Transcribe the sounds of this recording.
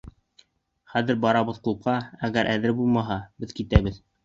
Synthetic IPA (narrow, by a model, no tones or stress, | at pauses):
χæðɘɾbɑɾɑβɤðqup̚qɑæɣæɾʔæðɘɾbulˠmɑɦɑbɘðkit̪æβɘð